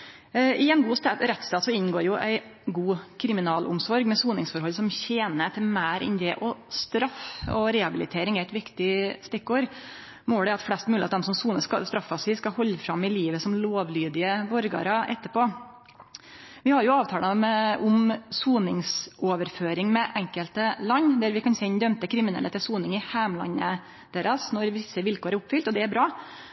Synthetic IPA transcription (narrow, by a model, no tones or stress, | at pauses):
ʔɪɛnɡuːst̪ːɾɛt̪st̪ɑːt̪sɔɪnɡoːɾjʊʔæ̰ɪ | ɡuːkʰɾɪmɪnɑːlʔʊ̰msɔɾɡmɛsuːnɪŋsfɔɾhɔlːsɔmçeːnət̪ʰɪlmæːɾʔɪ̰nd̪eːʔɔst̪ɾɑfɔ̰ɾɛɑbɪlɪ̰t̪ʰeːɾɪŋæɪt̪ʋɪkt̪ɪst̪ɪkːoːɾ | moːɖ̪ɛɑt̪flɛst̪mʉlɪɑt̪d̪ɛmsɔmsuːnəkɑ̰st̪ɾɑfːɑsɪskɑhɔlːəfɾɑmːɪliːʋəsɔmloːʋlyːd̪ɪəʋɔɾɡɑ̰ɾɑʔɛ̰t̪ːəpoː | ʋɪhɑɾjʊɑːʋt̪ʰɑːləmɛʊmsuːnɪŋsʔoːʋəɾføːɾɪŋmɛʔɛŋkəlt̪əlɑɲːd̪æɾʋɪkʰɑnseːɪnd̪œmt̪əkʰɾɪmɪnɛ̰lːət̪ɪlsuːnɪŋɪhæːmlɑ̰ɲːə | d̪̥eːɾɑsnɔɾʋɪsːəʋɪlkʰoːɾæɾʊpfʏlt̪ɔd̪ɛæɾbɾɑː